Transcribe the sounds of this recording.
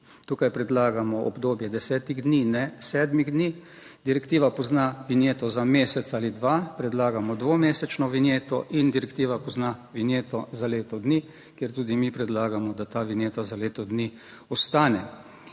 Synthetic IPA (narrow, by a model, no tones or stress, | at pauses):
t̪uːkajpɾɛd̪laːɡamɔɔ̰bd̪oːbjɛd̪ɛsɛːt̪iɣd̪ninɛsɛːd̪miɣd̪ni | d̪iɾɛkt̪iːʋapɔznaʋinjeːt̪ɔzameːsɛt̪saːlid̪ʋapɾɛd̪laːɡamɔd̪ʋomeːsɛt͡ʃnɔʋinjeːt̪ɔʔind̪iɾɛkt̪iːʋapɔznaʋinjeːt̪ɔzaleːt̪ɔd̪ni | kjeɾt̪uːd̪imipɾɛd̪laːɡamɔd̪at̪aːʋinjeːt̪azaleːt̪ɔd̪ni | ɔst̪aːnɛ